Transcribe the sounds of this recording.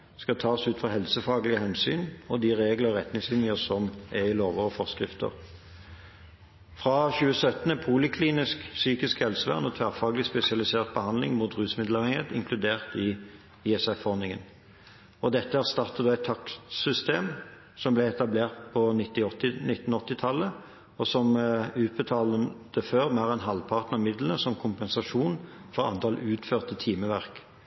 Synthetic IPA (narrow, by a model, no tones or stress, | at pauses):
skɑt̪ʰɑːsʉːt̪fʁɑɦɛlsəfɑːɡlɪɡəhɛnsy̰ːnɔd̪ɪʁeːɡləɔʁɛt̪nɪŋslɪnɪəsɔmɛʁɪloːʋəʁɔfɔʁskʁɪft̪ə̰ʁ | fʁɑçʉːəsœt̪ənəpʰuːlɪkʰliːnɪsksyːkɪskhɛlsəʋæ̰ʁnɔt̪ʰʋæːʁfɑːɡlɪspɛsɪɑlɪseːʁt̪̚bəhɑnd̪lɪŋmuːt̪ʁʉːsmɪd̪lɑʁɛŋət̪ɪ̰ŋkʰlʉd̪eːʁt̪ɪ | ɪɛsɛfɔʁnɪŋən | ɔd̪ɛt̪ːəhæːʁst̪ɑʁt̪əd̪oːæɪt̪ʰːɑksʏst̪eːm | sɔmblɛɛt̪ɑbleːʁt̪̚pʰɔnɪt̪ːɪɔt̪ːɪnɪt̪ːn̩ɔt̪ːɪt̪ʰɑlːə | ɔsɔmʉːt̪̚bət̪ʰɑːlət̪əføːʁmæːʁɛnɦɑlpʰɑʁt̪n̩ɑmɪd̪lənəsɔmkʰʊmpɛnsɑʂuːnfɔʁɑ̰nt̪ʰɑlʉːt̪føːʁt̪ət̪ʰiːməʋæʁk